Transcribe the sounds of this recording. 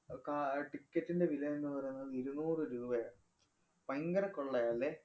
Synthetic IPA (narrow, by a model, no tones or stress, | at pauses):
kaʈikːɐtːinde̞ʋilɐenːɨpɐrɐjunːɐðɨiɾunuːrɨɾuːbɐja | pɐŋɡɐɾɐkːoɭːɐjaːlːe